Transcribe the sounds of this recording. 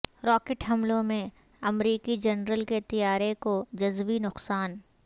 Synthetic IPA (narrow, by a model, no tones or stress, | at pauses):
ɾɔːkeʈɦɐmlõmẽ | ɐmɾiːkid͡ʒɐnɾəlket̪ijaːɾekod͡ʒɐzʋinʊqsaːn